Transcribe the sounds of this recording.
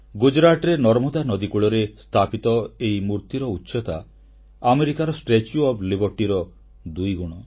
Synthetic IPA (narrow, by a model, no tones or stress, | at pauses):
ɡud͡ʒɾaʈɔɾenɔɾmɔd̪anɔd̪ikuɭɔɾest̪ʰapit̪ɔejmuɾt̪iɾɔutːʃɔt̪a | ameɾikaɾɔsʈet͡ʃuɔblibɔɾʈiɾɔ | d̪ujɡuɽ̃ɔ